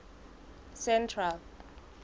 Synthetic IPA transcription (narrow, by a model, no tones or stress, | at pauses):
sɛntʰral